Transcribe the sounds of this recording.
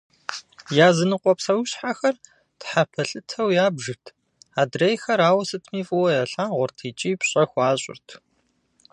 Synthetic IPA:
jaːzɨnɨqʷʼɔpsɐwɕħaxɐr | tħapʰɐɬʼɨtʰɐwjaːbʒɨtʰ | aːdrejxɐɾaːwɐsɨtʰmiːfʼɨwɐjɐɬaːʁʷʊrtʰiːt͡ʃʼiːpɕʼɐxʷaːɕʼɪ̰rtʰ

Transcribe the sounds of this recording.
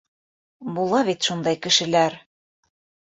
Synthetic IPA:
bulˠɑβit̪ʃund̪ɑjkɘ̆ʃɘ̆læɾ

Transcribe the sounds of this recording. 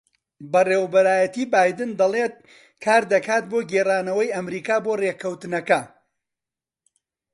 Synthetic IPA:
bɐreːwɐbɐɾaːjɐt̪ibaːjd̪ɨnd̪ɐlˠet̪̚ | kʰaːɾd̪ɐkaːt̪̚boːɡeraːnɐwɐjɐmɾiːkaːboːreːkʰɐwt̪ɨnɐkɐ

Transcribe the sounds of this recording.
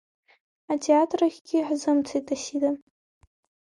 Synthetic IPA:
atʰeatʰraɣʲɡʲɪħzɨmt͡sʰejtʰʼasida

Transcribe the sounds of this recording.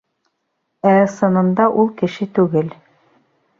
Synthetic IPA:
æsɤ̆nɤ̆nd̪ɑʔulˠkɘ̆ʃɘt̪ʉɡɘl

